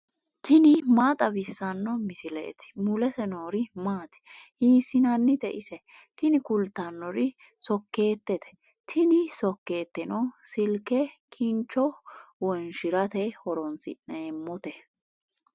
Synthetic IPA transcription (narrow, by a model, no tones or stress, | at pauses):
t̪ʰɪnɪmaːt̪ʼɐbɪsːɐnːɔmɪsɪlḛːt̪ɪ̥mʊlɛsɛnoːɾɪmaːt̪ɛ̥hiːsɪnɐnːɪt̪ɛʔɪsɛt̪ɪnɪkʊlt̪ːɐnːɔɾɪ | sɔkːe̞ːt̪ːɛt̪ɛ̥ | t̪ʰɪnɪsɔkːe̞ːt̪ːɛnɔsɪlkɛkʰɪnt͡ʃːɔwɔnʃɪɾɐt̪ɛhɔɾɔnsɪ̰neːmːɔt̪ɛ